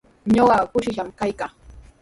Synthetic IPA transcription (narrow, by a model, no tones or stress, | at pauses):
ɲoɢɑkʊʃɪʃamkajkaː